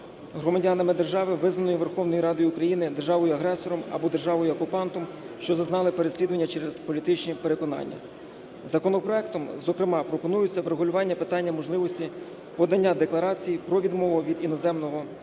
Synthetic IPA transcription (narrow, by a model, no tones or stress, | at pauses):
ɦɾɔmɐdʲɑnɐmɪd̪erʒɑʋɪʋɪznɐnʊjiʋerxɔwnɔjiɾɑd̪ɔjʊːkɾɐjinɪd̪erʒɑʋɔjʊɐɦɾɛsɔɾɔmɐ̰bɔd̪e̞rʒɑʋɔjʊɔkʊpɑnt̪ɔm | ʃt͡ʃɔzɐznɑlˠɪpe̞ɾesʲlʲid̪ʊʋɐnʲːɐt͡ʃɛɾezpɔlʲit̪ɪt͡ʃnʲipe̞ɾe̞kɔnɑ̰nʲːɐ̰ | zɐkɔnɔpɾɔɛk̚t̪ɔmzɔkɾɪmɑpɾɔpɔnujʊt͡sʲːɐʋɾeɦʊlʲʊʋɑnʲːɐpɪt̪ɑnʲːɐmɔʒlˠɪʋɔsʲtʲi | pɔd̪ɐnʲːad̪eklˠɐɾɑt͡sʲijpɾɔʋʲid̪mɔʋʊʋʲid̪inɔzɛmnɔɦɔ